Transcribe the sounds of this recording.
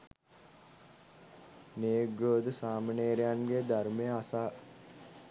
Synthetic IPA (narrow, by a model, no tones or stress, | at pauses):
neːɡɾoːd̪əsaːməneːɾejanɡed̪armejəasaː